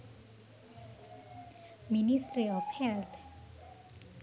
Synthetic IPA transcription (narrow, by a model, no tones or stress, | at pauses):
minisʈɾiɔfhɛlt̪ʰ